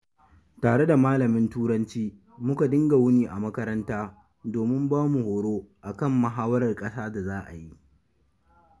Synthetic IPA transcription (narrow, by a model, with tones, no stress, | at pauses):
taː˨ɽe˦da˨maː˦lɐ˨mɪ˦ntuː˦ɽɐ˦nt͡ʃiː˦ | mʊ˦ka˨dɪ˦ŋɡa˨wʊ˦niː˨ʔa˨mɐ˦kɐ˦ɾɐ˦ntaː˦ | doː˨mɪ˦mbaː˦mu˨hoː˨ɽoː˦ʔa˨kɐ˦˨mːɐ˨ɦaː˦wɐ˦ɾɐ˨rkʼɐ˦saː˦da˨zaː˦ʔa̰˨ji˦ʔ